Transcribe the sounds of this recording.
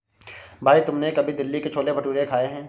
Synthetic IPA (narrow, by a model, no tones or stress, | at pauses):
bʱaːit̪ʊmnekɐbʱid̪ɪlːiket͡ʃʰoːlebʱɐʈuːɾekʰaːeɦɛ̃ː